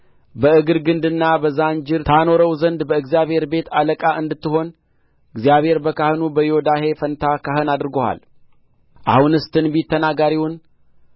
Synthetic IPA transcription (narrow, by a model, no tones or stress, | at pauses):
bəɨɡɨɾɡɨnd̪ɨnːabəzand͡ʒɪɾt̪ʰano̞ɾəwzənd̪bəɨɡzijaβhe̞ɾbe̞t̪aləkʼaʔɨnd̪ɨt̪ːɨɦo̞n | ɨɡzijaβhe̞ɾbəkahɨnubəjo̞d̪ahe̞fənt̪ʰakʰaɦɨnad̪ɨɾɨɡoha̰l | ʔa̰hunɨst̪ʰɨnbit̪ːənaɡaɾiwʊn